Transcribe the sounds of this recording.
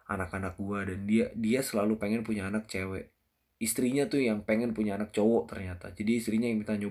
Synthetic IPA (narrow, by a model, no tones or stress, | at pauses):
a̰nakanak̚duadandiadiasəlalupeŋɛnpuɲaːnak̚t͡ʃewɛ̰ʔ | ist̪ɾiɲat̪ujaŋpeŋɛnpuɲaːnak̚t͡ʃowɔt̪ərɲat̪a̰d͡ʒadiist̪ɾiɲajaŋmit̪aɲo